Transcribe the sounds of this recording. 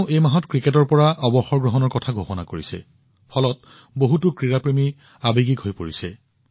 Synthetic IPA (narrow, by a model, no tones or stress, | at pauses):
ʊʔejmaɦɔtkɹiketɔɹpɔɹaʔɔbɔxɔɹɡɹɔɦɔnɔɹkɔtʰaɡʱoxɔnakoɹisɛ̰ | pʰɔlɔt | boɦutʊkɹiɹapɹemi | abeɡikɦojpoɹisɛ